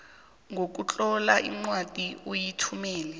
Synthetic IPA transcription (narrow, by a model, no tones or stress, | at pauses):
ŋʱok̬ut͡ɬʼɔlaʔiŋ͡ǀwad̥ʱʼiʔujitʰumɛːlɛ